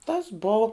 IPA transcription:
tɐs ˈboːʊ

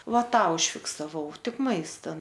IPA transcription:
ˈʋɐ ˈtɑː ʊʃʲfʲɪksɐˈʋɐʊ ˈtʲɪk ˈmɐɪstɐ

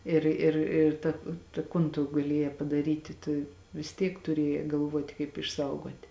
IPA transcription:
ˈɪr ɪr ɪr ˈtɐ tɐ ˈkʊn tʊ ɡɐˈlʲiɛjɛː pɐdɐˈrʲiːtʲɪ tʊ ʋʲɪs ˈtʲiɛk tʊˈrʲiɛjɛː ɡɐlˠˈʋuɔtʲɪ kɐɪp ɪʃˈsɐʊɡoːtʲɪ

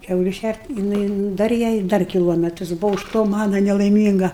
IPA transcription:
ˈkʲɛʊlʲʊ ˈʃʲærʲtʲ jɪˈnɐɪ ˈdɐr jɛɪ ˈdɐr kʲɪˈlˠoːmʲɛtrɐs ˈbʊʋoː ʊʃ ˈtoː ˈmɑːnɐ nʲɛlˠɐɪˈmʲiːŋɡɐ

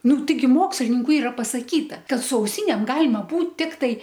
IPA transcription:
ˈnʊ tɐɪˈɡʲɪ ˈmoːksʲlʲɪnʲɪŋkʊ ˈiːrɐ pɐsɐˈkʲiːtɐ ˈkɐt sʊ ɐʊˈsʲiːnʲeːm ˈɡɑːlʲɪmɐ ˈbuːt ˈtʲɪktɐɪ

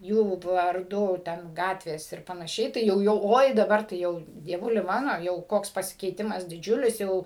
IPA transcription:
ˈjuː ʋɐrˈdʊ ˈtʲɛn ˈɡɑːtʲʋʲeːs ɪr pɐnɐˈʃʲɛɪ tɐɪ ˈjɛʊ jɛʊ ˈoːɪ dɐˈbɐr tɐɪ ˈjɛʊ dʲiɛˈʋʊlʲɪ mɐnoː jɛʊ ˈkoːks pɐsʲɪkʲɛɪˈtʲɪmɐs dʲɪˈd͡ʒʲʊlʲɪs ˈjɛʊ

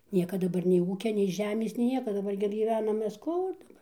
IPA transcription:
ˈnʲiɛkɐ dɐˈbɐr nʲɛɪ ˈuːkʲɛ nʲɛɪ ˈʒʲæːmʲeːs nʲɛɪ ˈnʲiɛkɐ dɐˈbɐr ɡʲɪ ɡʲiːˈʋʲæːnɐm ˈmʲɛs ˈkʊr dɐˈbɐr

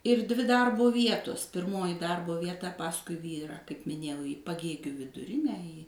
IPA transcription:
ɪr dʲʋʲɪ ˈdɐrbʊ ˈʋʲiɛtʊs pʲɪrˈmoːjɪ ˈdɐrbʊ ʋʲiɛˈtɐ ˈpɑːskʊɪ ˈʋʲiːrɑː kɐɪp mʲɪˈnʲeːjɛʊ iː pɐˈɡʲeːɡʲuː ʋʲɪdʊˈrʲɪnʲæː iː

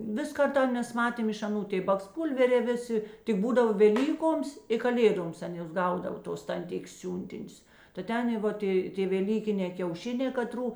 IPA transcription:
ˈʋʲɪs ˈkɐrtɐ ˈmʲɛs ˈmɑːtʲeːm ɪʃ ɐˈnuː ˈtʲeː bɐksˈpuːlʲʋʲɛrʲeː ˈʋʲeːˌsʲɪ tʲɪk ˈbuːdɐʋɐ ʋʲɛˈlʲiːkoːms ɪ kɐˈlʲeːdoːms ˈtʲeːn ˈjoːs ˈɡɐʊdɐʋɐ ˈtoːs tɐnʲˈtʲɪkʲeːs ˈsʲuːnʲtʲɪnʲʊs tɐ ˈtʲɛn ˈʋoːt eː tʲeː ʋʲɛˈlʲiːkʲɪnʲɛː kʲɛʊˈʃʲɪnʲɛː kɐˈtruː

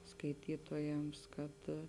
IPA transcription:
skɐɪˈtʲiːtoːjɛms kɐt

